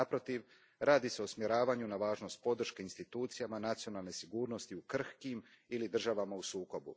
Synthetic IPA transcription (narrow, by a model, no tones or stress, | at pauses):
apɾo̞t̪iʋ | ɾʔaːd̪ise̞o̞smjeɾaːʋaɲunaʋaːʒno̞st̪̚po̞d̪r̩ʃke̞inst̪it̪uːt̪sijamanat̪sijo̞nalˠne̞siɡuːɾno̞st̪iukr̩hkim | ilid̪r̩ʒaʋamausuːko̞bṵ